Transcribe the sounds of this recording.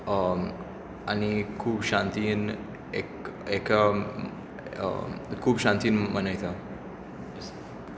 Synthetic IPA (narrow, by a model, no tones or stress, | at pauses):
anikʰuːbʃãnt̪in | ekek | kʰuːbʃãnt̪iːnmənajt̪ʰa | s